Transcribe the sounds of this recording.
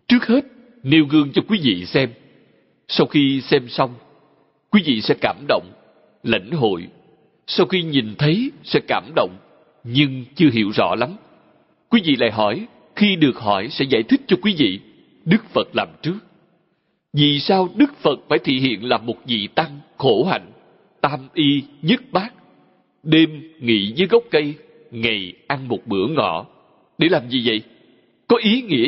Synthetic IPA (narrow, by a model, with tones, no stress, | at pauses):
t͡ɕɨ˦˥ək̚he˦˥t̚ | ne˧wɣɨ˧əŋt͡ɕɔ˧kwi˨˦vḭ˧˨sɛ˧m | sa˧wxi˧sɛ˧msa˧wŋ͡m | kwi˨˦vḭ˧˨sɛ̰˧˥kaː˧˩mɗo̰˧˨wŋ͡m | lə̰˧˩jŋ̟ɦo̰˧˨j | sa˧wxi˧ɲi˨˩nt̪ʰə˨˦jsɛ̰˧˥kaː˧˩mɗo̰˧˨wŋ͡m | ɲɨ˧ŋt͡ɕɨ˧əɦḭ˧˩əwzɔ̰˧˥la˨˦m | kwi˨˦vḭ˧˨la̰ː˧˨jɦɔ˧˩j | xi˧ɗɨ˨˩ək̚hɔ˧˩jsɛ̰˧˥za̰ː˧˩jt̪ʰï˦˥k̚t͡ɕɔ˧kwi˨˦vḭ˧˨ | ɗɨ˦˥k̚fə˨˩t̚laː˨˩mt͡ɕɨ˦˥ək̚ | vi˨˩saː˧wɗɨ˦˥k̚fə˨˩t̚faː˧˩jt̪ʰḭ˧˨ɦḭ˧˨ənlaː˨˩mo˨˩t̚zḭ˧˨t̪a˧ŋxo˧˩ɦa̰˧˨jŋ̟ | t̪aː˧mʔi˧ɲə˦˥t̚ɓaː˦˥k̚ | ɗe˧mŋḭ˧˨zɨː˨˦jɣɔ˦˥wk͡p̚kə˧j | ŋa˨˩jʔa˧nmo˨˩t̚ɓɨ˧˩˦əŋɔ̰˧˨ | ɗe˧˩laː˨˩mzi˨˩və̰˧˨j | kɔ˨˦ʔi˨˦ŋḭ˧˥ə